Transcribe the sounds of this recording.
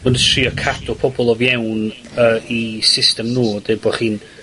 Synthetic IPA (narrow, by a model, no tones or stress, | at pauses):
mədətʰriːɔkʰadɔpʰɔbɔlˠɔvjɛwn | əːisɪstɛmnuːd̥ebɔχiːn